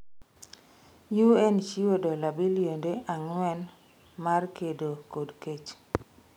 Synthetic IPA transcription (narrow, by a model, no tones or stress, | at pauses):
juɛnt͡ʃiwodɔlabiljondeʔaŋwɛn | markedokodket͡ʃ